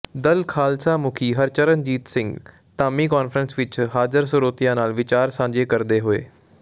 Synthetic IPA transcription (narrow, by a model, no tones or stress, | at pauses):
d̪əlkʰaːlsaːmʊkʰiːɦəɾt͡ʃəɾənd͡ʒiːt̪sɪ̃ŋɡ | t̪aːmiːkaːnfʰɾənsʋɪt͡ʃɦaːzəɾsʊɾoːt̪ɪjãːnaːlʋɪt͡ʃaːɾsãːɲd͡ʒeːkəɾd̪eːɦoḛː